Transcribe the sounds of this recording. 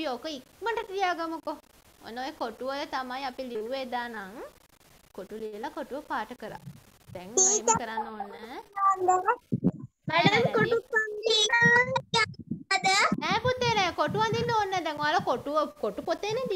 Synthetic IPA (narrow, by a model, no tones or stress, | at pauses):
ijokəikməɳʈəʈijaːɡamuko | o̰nːojekoʈuʋət̪amajapiliʋuʋed̪aːnaŋ | koʈulilakoʈuʋəpaːʈəkəɾa̰ | d̪̥ɛŋiimkəɾanːoːnːəand̪a | mɛəəŋkoʈupanliaŋaad̪əɛːput̪ːenɛːkoʈuand̪inːoːnːəd̪ɛŋoaːlɐkoʈuəkoʈupot̪ːened̪i